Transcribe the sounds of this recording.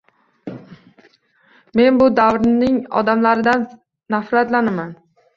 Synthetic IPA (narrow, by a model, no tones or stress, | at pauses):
me̞nbʊd̪awɾnɪŋɒ̰d̪amlaɾɪd̪anː | afɾat̪lanaman